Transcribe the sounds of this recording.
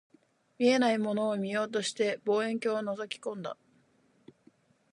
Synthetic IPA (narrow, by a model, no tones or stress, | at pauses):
mʲie̞naimo̞no̞ːmʲijo̞ːt̪o̞ɕi̥t̪e̞bo̞ːẽ̞ŋk̬ʲoːβanozokʲi̥kõ̞nd̪a̰